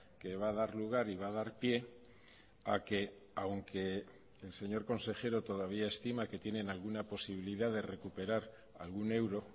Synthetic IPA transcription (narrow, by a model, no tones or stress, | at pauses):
ke̞βað̞aɾluɣ̞aɾiβ̞að̞aɾpje̞ | ake̞ | awŋke̞ː | lse̞ɲo̞ɾko̞nse̞xe̞ɾo̞t̪o̞ðaβ̞iae̞st̪imake̞t̪je̞nẽ̞nalɣunapo̞siβ̞iliðaðe̞re̞kupe̞ɾaɾ | a̰lɣune̞wɾo̞